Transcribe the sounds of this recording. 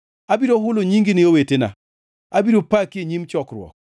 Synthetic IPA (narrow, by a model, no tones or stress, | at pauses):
abiɾoɦʊloɲiŋɡinɪowetena̰ | abiɾopakɪeɲimt͡ʃɔkɾwɔ̰k̚